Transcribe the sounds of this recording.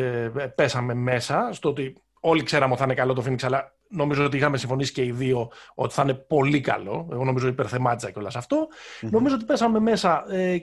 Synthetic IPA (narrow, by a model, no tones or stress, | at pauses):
pe̞sɐme̞me̞sɐst̪oot̪i | o̞likse̞ɾɐmeoiθnekɐlo̞t̪ofiniksɐlɐ | no̞mizoot̪iixɐme̞siɱfo̞nisi̥ce̞iðio̞o̰t̪i̥θne̞po̞likɐ̰lo̞eɣo̞noizoot̪ipe̞ɾθe̞mɐt̪izɐceo̞lɐsɐft̪o̞no̞mizoot̪ipe̞sɐme̞me̞sɐe